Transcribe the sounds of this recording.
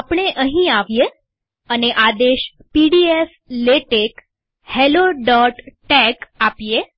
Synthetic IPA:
apɳ̃eʔəɦĩaʋje | əneʔad̪eɕ | piɽief | leʈek | heloɖɔʈʈɛkapije

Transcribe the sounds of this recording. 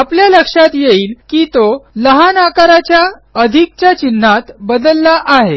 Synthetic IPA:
apljaləkʂat̪jeiːlkiːt̪oləɦanakaɾat͡ɕjaəd̪ʱik̚t͡ɕjat͡ɕin̤ːat̪bəd̪əlːaʔaɦe

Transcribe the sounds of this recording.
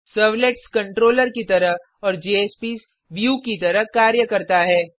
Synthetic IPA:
səːʋleʈskɐ̃ɳʈɾoːləɾkit̪ɐɾəɦ | ɔːɾd͡ʒeːeːspiːs | ʋjuːkit̪ɐɾəɦkaːɾjəkɐɾt̪aɦɛː

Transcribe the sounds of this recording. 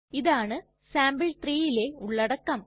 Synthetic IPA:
iðaːɳɨ | saːmbɐɭt̪riːjile̞uɭːɐɽɐkːɐm

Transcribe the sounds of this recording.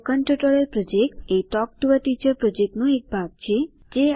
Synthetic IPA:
kəɳʈɾəʈɔɭəlpɾɔd͡ʒek̚ʈeʈɔk̚ʈuʋəʈit͡ʃəɾpɾɔd͡ʒek̚ʈnũek̚bʱaɡ̚t͡ʃʰe | d͡ʒe

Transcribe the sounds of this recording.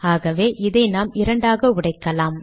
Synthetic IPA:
aːɣɐʋeːʔɪðɐɪnaːmɪɾɐɳɖaːɣɐʊɽɐɪkːɐlaːm

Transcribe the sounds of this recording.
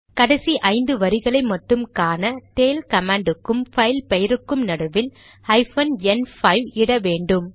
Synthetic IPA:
kɐɽɐsiʔɐɪnd̪ɯʋɐɾɪɣɐɭɐɪmɐʈːɯmkaːnɐt̪eːlkɐmaːɳɖɯkːɯmfɐɪlpɛjɪɾɯkːɯmnɐɽɯʋɪl | ɐɪfɐnɛnfɐɪʋɪɽɐʋeːɳɖɯm

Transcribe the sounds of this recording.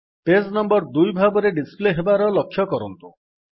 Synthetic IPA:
pesnɔmbɔɾd̪ujbʱabɔɾeɖispleɦebaɾɔlɔkʰːjɔkɔɾɔnt̪u

